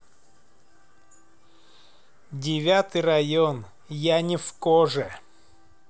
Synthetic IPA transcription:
dʲɪvʲat̪ɨjrɐjon | janʲɪfkoʐɨ

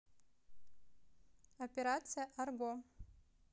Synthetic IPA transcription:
ɐpʲeɾat̪sɨjaʔarɡʷo

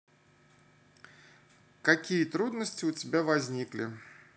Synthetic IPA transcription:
kɐkʲijət̪ɾud̪nəsʲtʲɪʊtʲɪbʲavɐzʲnʲiklʲɪ̰

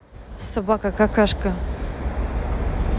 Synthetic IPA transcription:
sɐbakakakaʃka

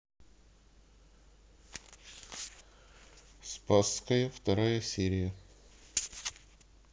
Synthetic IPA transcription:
spaskəjəft̪ɐɾajəsʲeɾʲɪjə

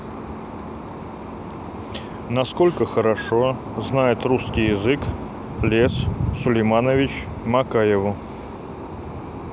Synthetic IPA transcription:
nɐsko̞lʲkəxəɾɐʂo | znajɪt̪ruskʲɪjɪzɨk | lʲessʊlʲɪjmanəvʲɪt͡ɕ | mɐkajɪvʊ

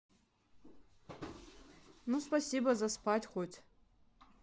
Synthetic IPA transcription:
nuspasʲibazaspʰatʲχʷotʲʰʼ

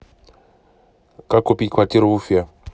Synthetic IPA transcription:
kakopikwatiɾoufja

